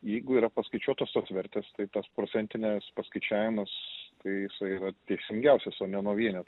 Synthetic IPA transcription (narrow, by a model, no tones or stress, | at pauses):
jɛɪɡʊiːɾɐpɐskɐɪt͡ʃʲuɔt̪oːst̪oːsʋʲɛɾʲt̪ʲeːst̪ɐɪt̪ɐspɾoːt͡s̪ʲɛnʲt̪ʲɪnʲɛspɐskɐɪt͡ʃʲæːʋʲɪmɐst̪ɐɪjɪsɐɪiːɾɐt̪ʲɛɪsʲɪŋʲɡʲɛʊsʲɛsoːnʲɛnuɔʋʲiɛnʲɛ